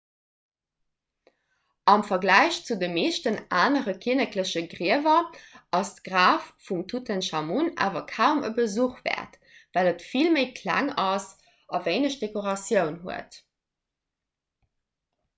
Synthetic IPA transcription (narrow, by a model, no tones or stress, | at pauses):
ʔɑmfɐɡlæɪɕt͡sudəmeːʃtənʔaːnəʁəkʰiənəkləɕəɡʀiəvɐʔɑstɡ̥ʁaːffumtʰutʰənʃɑmunʔa̰ːvɐkʰaʊmə̰bəzuχvæ̰ːɐt | vælətfilməɪkʰlæ̰ŋɑs | ɑvəɪnəɕd̥ekoʁɑsjəʊnɦuət